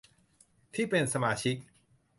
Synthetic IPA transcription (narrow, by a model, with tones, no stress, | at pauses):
t̪ʰiː˥˩pe˧nsa˧maː˧t͡ɕʰi˦˥k̚